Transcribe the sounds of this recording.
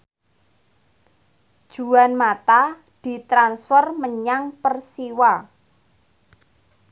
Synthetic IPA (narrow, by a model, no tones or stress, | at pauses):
d̥ʒ̥ṳanmat̪a | d̪̥i̤t̪ɾansfərməɲaŋpərsiwa